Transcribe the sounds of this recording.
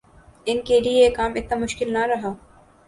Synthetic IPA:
ɪnkeliekaːmɪt̪namʊʃkɪlnaɾɐɦaː

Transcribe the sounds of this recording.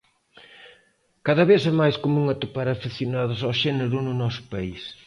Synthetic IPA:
kaðɐβeθɛmajskomũŋɐt̪upaɾafiθjonaðʊsawʃɛneɾʊnʊnɔsʊ̥pais

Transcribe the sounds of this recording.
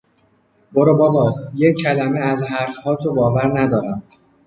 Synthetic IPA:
boɾobɒːbɒːjecʰːælæmeæzɦæɾfhɒːt̪ʰobɒːvæɾnæd̪ɒːɾæm

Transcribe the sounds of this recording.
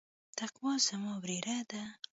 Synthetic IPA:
t̪aqwɑzamɑbɾeɾʔad̪a

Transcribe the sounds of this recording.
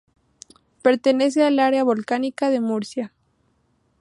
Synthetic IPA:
pe̞ɾt̪e̞ne̞s̬ealaɾeaβo̞lkanikaðe̞muɾsja

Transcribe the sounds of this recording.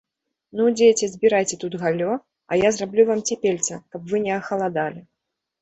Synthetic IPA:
nud͡zʲejt͡sʲɛzʲbʲiɾajt͡sʲɛt̪ud̪ɣalʲɔ | ɐ̰jazrablʲuvamt͡sʲɛpʲelʲt̪sɐkɐpvɨnʲɛɐxɐlˠad̪alʲi

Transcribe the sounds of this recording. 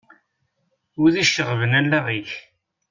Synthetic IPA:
ʊðiʃːəʁvənælːæʁiç

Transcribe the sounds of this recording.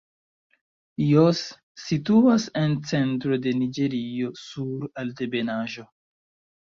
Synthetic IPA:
josː | ituasent͡sentɾo̞de̞nid͡ʒe̞ɾio̞suɾaltebe̞naʒo̞

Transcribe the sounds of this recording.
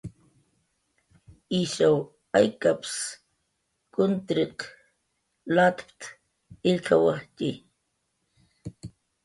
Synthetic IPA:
iʃaw | ajkaps | kʊnt̪ɾiq | lat̪pt̪ | ɪʎkʰawahti

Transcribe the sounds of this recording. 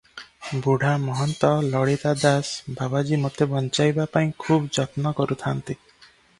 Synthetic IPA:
buɽ̤ʱamɔɦɔnt̪ɔlɔɽit̪ad̪asbʱabad͡ʒimot̪ebɔnt͡ʃajbapaĩkʰubd͡ʒɔt̪nɔkɔɾut̪ʰant̪i

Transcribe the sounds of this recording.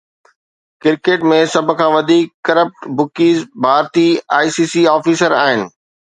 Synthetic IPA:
kɪɾkeːʈmẽsɐb̆ʱkʰãːʋɐd̪ʱiːkːɐɾəp̚ʈbʊkiːzbʱaːɾt̪iaːisiːsiaːfiːsəɾaːɦɪnɪ̆

